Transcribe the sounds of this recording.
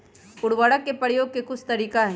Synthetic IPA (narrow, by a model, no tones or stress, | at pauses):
ʊɽʋəːɽəkːepɾəɽjoːɡ̚kekʊt͡ʃʰt̪ɐɾiːkaɦɛ